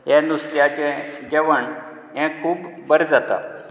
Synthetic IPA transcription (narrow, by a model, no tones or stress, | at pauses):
jɛ̃nust̪jat͡ɕɛ̃d͡ʑəʋəɳ | ɦɛ̃kʰuːbbəɾd͡zat̪a̰